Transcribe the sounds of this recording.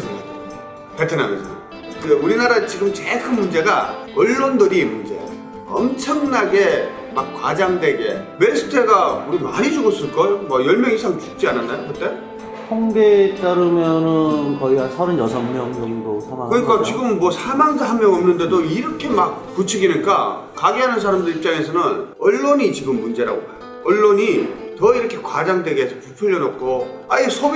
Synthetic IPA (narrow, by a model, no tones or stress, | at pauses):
petʰɯnanesʰʌ | euɾinaɾat͡ɕiɡɯmt͡ɕekʰɯnmund͡ʑe̞ɡaʌɭːondɯɾimund͡ʑe̞̰ | ʌmt͡ɕʰʌŋnaɡe̞ | mak̚kwad͡ʑaŋdweɡe̞me̞ɭsʰɯ̥tʰe̞ɡauɾimaɲid͡ʑuɡʌs͈ɯɭk͈ʌjomʌjʌɭmjʌŋisʰaŋt͡ɕuk̚t͡ɕ͈iananːajokɯt͈e̞ | sʰʌŋɡet͈aɾɯmjʌnɯnkʌiasʰʌɾɯnjʌsʰʌmmjʌŋjʌŋdosʰamaŋkɯɲik͈at͡ɕiɡɯmːwʌsʰamaŋsʰaɦanmjʌŋʌmnɯnde̞doiɾʌkʰe̞mak̚put͡ɕʰiɡinik͈akaɡiɦanɯns̬ʰaɾamdɯɾip̚t͡ɕ͈aŋe̞sʰʌnɯnʌɭːoɲit͡ɕiɡɯmːund͡ʑe̞ɾa̰ɡo̰bajo | ʌɭːoɲitʌiɾʌkʰe̞kwad͡ʑaŋdwe̞ɡe̞sʰʌpupʰuɭjʌnʌp̚k͈oaesʰo